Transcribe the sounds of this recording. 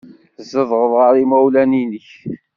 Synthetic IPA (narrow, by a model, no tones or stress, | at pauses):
zːəðˤʁəðˤʁaɾˤimæwlæninəç